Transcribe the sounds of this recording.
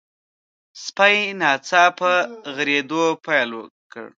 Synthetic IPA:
spajnɑt͡sɑpəɣɾed̪opajlwə̰kə̰ɽ

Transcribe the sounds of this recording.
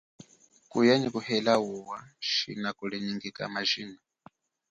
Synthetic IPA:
kʼujaɲikuhɛlawuwaʃḭnakʼuɺɛɲiŋɡikʼa̰maʒiːnɔ

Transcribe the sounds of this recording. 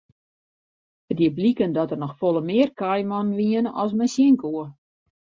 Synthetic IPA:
ədiəblikəndɔtərnɔxfolˠəmɪərkajmɔnnʋiənəɔ̰ls̬mɛnsjɪŋkuə

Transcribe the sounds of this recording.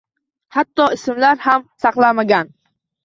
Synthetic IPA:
hat̪ːɒɪsɪmlaɾhamsɑqlˠamaɡʲan

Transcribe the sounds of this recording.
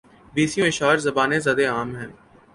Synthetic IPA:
biːsjõːɪʃaːɾzɐbaːnẽzɐd̪eaːmɦɛ̃ː

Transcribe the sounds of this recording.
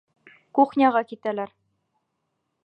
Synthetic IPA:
kuχnʲɑʁɑkit̪ælæɾ

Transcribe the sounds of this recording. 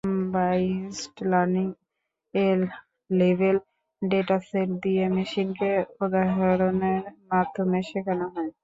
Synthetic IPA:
basʈlaɾniŋ | elː | ebel | ɖeʈaseld̪iemiʃinkeod̪aɦeɾoneɾmad̪ʱomeʃekanaɦɔe

